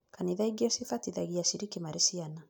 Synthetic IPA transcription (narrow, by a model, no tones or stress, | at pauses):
kaniðaiɡiɔsifatiðaɣiaʃiɾikimaɾisiana